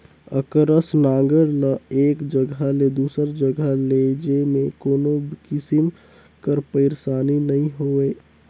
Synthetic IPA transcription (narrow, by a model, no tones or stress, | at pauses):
əkɾəsnãːɡəɾləeːkd͡ʒəɡəled̪uːsəɾd͡ʒəɡəled͡ʒemẽkoːnobkɪsim | kəɾpəɪɾsaːninəɦĩɦoːeː